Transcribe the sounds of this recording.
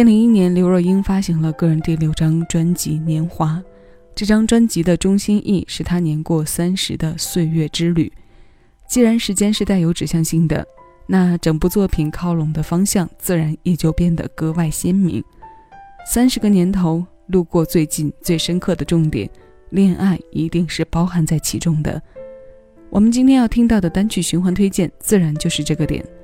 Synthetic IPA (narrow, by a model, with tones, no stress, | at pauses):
li˧˥ŋi˥njɛ˧˥nljo˧˥ʊɻɔ˥˩i˥nfa˥ɕi˧˥ŋlə˧kɤ˥˩ɻə˧˥nt̪wi˥˩ɪljo˧˥˩ʊʈ͡ʂɑ˥ŋʈ͡ʂwa˥nt͡ɕḭ˧˥njɛ˧˥nxwa˥ | ʈ͡ʂɤ˥˩ʈ͡ʂɑ˥ŋʈ͡ʂwa˥nt͡ɕi˧˥d̪ə˧ʈ͡ʂʊ˥ŋɕi˥nʔi˥˩ʂɻ̩˥˩t̪ʰa˥njɛ˧˥nkwɔ˥˩sa˥nʂɻ̩˧˥d̪ə˧swe˥˧ɪɥɛ˥˩ʈ͡ʂɻ̩˥ly̰˨˩˦ | t͡ɕi˥˩ɻa˧˥nʂɻ̩˥t͡ɕjɛ˥nʂɻ̩˥˧t̪a˥˩ɪjo˧˥ʊʈ͡ʂɻ̩˨˩ɕjɑ˥˧ŋɕi˥˩ŋd̪ə̰˩na˥˩ʈ͡ʂɤ˨˩ŋpu˥˧t͡swɔ˥˩pʰi˨˩nkʰɑ˥ʊlʊ˧˥ŋd̪ə˧fɑ˥ŋɕjɑ˥˧ŋt͡sɹ̩˥˩ɻa˧˥njɛ˨˩t͡ɕjo˥˧ʊpjɛ˥˩nd̪ə̰˩kɤ˥wa˥˩ɪɕjɛ˥nmḭ˧˥ŋ | sa˥nʂɻ̩˧˥ɡə˧njɛ˧˥nt̪ʰo˧˥ʊ | lu˥˧kwɔ˥˧t͡swe˥˧ɪt͡ɕi˥˧nt͡swe˥˩ɪʂə˥nkʰɤ˥˩d̪ə˩ʈ͡ʂʊ˥˩ŋt̪jɛ̰˨˩˦n | ljɛ˥˧nʔa˥˩ɪi˧˥t̪i˥˧ŋʂɻ̩˥˩pɑ˥ʊxa˧˥nt͡sa˥˩ɪt͡ɕʰi˧˥ʈ͡ʂʊ˥ŋd̪ə̰˨ | wɔ˨˩mə˦nt͡ɕi˥nt̪ʰjɛ˥njɑ˥˩ʊt̪ʰi˥ŋt̪ɑ˥˩ʊd̪ə˩t̪a˥nt͡ɕʰy˥˩ɕy˧˥nxwa˧˥nt̪ʰwe˥ɪt͡ɕjɛ˥˩nt͡sɹ̩˥˩ɻa˧˥nt͡ɕjo˥˧ʊʂɻ̩˥˧ʈ͡ʂɤ˥˩ɡə˩t̪jɛ̰˨˩˦n